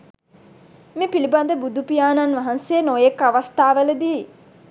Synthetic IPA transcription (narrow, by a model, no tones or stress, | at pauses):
mipiliband̪əbud̪upijaːnanʋɐɦanseːnojekːaʋast̪aːʋeləd̪iː